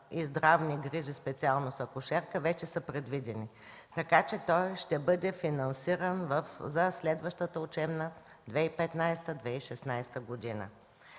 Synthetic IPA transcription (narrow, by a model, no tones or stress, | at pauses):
izd̪ɾavniɡɾiʒispɛt̪sialˠnosɐkʊʃɛɾkəvɛt͡ʃɛsəpɾɛd̪vid̪ɛni | t̪ɐkat͡ʃɛt̪ɔjʃt̪ɛbɤd̪ɛfinɐnsiɾənvəfzɐslɛd̪vəʃt̪ət̪əʊt͡ʃɛmnə | d̪vɛipɛt̪najst̪əd̪vɛiʃɛsnajst̪əɡod̪inə̰